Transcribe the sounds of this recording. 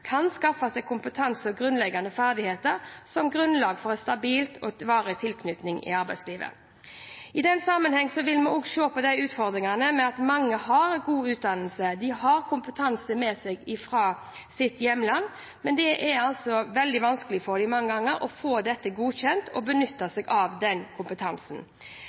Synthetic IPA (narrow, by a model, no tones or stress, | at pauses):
kʰɑnskɑfɑsɛkʰʊmpət̪ʰɑnsɔɡɾʉnlɛɡːɑnd̪əfæʁd̪ɪheːt̪əɾsɔmɡɾʉnlɑːɡfɔɾɛnst̪ɑbiːlt̪ʰɔʋɑːɾət̪ʰɪlkʰnʏt̪nɪŋɪ̰ɑɾbæɪsliːʋə̰ | ɪd̪ɛnːsɑmːənhɛŋːsɔʋɪlmɛɔɡʃoːpɔd̪æɪʉːt̪fɔʁd̪ʁɪŋɑnəmɛɑt̪mɑŋːəhɑɾɛɡuːʉːt̪̚d̪ɑnəlsəd̪ɪɦɑʁkʰʊmpət̪ʰɑnsəmɛsɛɡɪfɾɑː | sɪt̪jɛmːlɑnː | mɛnd̪ɛʔɛɾɑlsɔʋɛld̪ɪʋɑnskəlɪfɔʁd̪ɪmɑŋːəɡɑŋːəɾʔɔfoːd̪ɛt̪ːəɡuːçɛnt̪ʰɔbənʏt̪ːəsɛɡɑʋd̪ɛnkʰʊmpət̪ʰɑnsn̩